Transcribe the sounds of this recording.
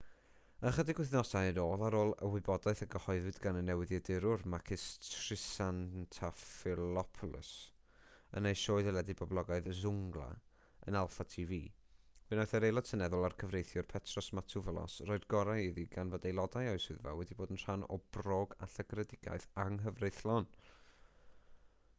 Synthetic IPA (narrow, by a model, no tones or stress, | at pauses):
əχədɪɡwɪθnɔsaənoːlˠaɾoːlˠə̰wɨbɔdaɨθəɡəhɔɨvɨdɡanənːɛwɪðjɛdɪɾʊrmakʰɪstʰrɪsantʰafɪlɔpʰʊlˠə̰s | ə̰nejʃoːɨðəlˠɛdɪbɔblˠɔɡaɨðzʊŋɡlˠa̰ | ə̰nalˠfatʰiviː | vɨnɔjθəɾejlˠɔtʰənɛðʊlˠarkʰəvrejθjʊrpʰɛtʰrɔsmatʰuvəlˠɔ̰sroːɨdɡɔɾajiðiɡanvɔdejlˠɔdajɔɨsɨðva̰wɛdiboːdənr̥anɔ̰b̥roːɡa̰ɬaɡrədɪɡ̥a̰ɨθaŋɦəvrejθlˠɔn